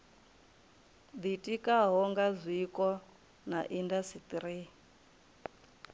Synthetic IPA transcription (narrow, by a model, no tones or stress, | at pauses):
d̪itʼikʼaɦɔŋɡazʷikʼɔ | naʔindasit̪ʼɾi